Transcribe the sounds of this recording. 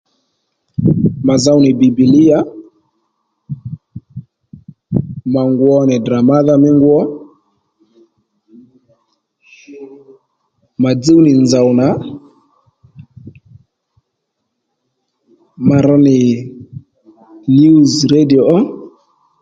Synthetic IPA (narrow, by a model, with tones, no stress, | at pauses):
ma˨za˦wnɪ˨bi˨bi˨li˦ja˦ | ma˨ŋɡwɔ˦nɪ˨dɾa˨ma˦ða˦mɪ˦ŋɡwɔ˦ | ma˨d͡zi˦wnɪ˨nza˨wna˨˦ | ma˨ɾɔ˧nɪ˨ | nju˦zɾe˦di˨ɔ˨ʔɔ˦